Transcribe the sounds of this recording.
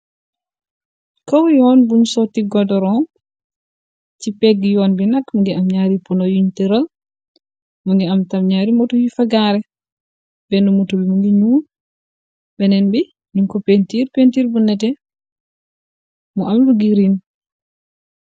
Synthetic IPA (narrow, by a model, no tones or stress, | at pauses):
kawjɔnbuɲsɔtiɡɔdɔɾɔn | t͡ʃipɛɡijɔnbinakmuŋɡɛamɲaɾipunɔjuɲtɛɾal | muŋɡɛamtamɲaɾimɔtɔjifaɡaɾɛ | bɛnumutɔbimuŋɡɛɲuːn | bɛnɛnbi | ɲuŋkɔpentiɾpentiɾbunːɛt̬ɛ | mɔʔamluɡiɾin